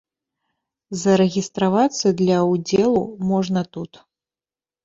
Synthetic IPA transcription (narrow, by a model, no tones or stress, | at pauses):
zɐɾɛɣʲist̪ɾavat̪sːɐd̪lʲɐwd͡zʲɛlˠumɔʐnɐt̪ut̪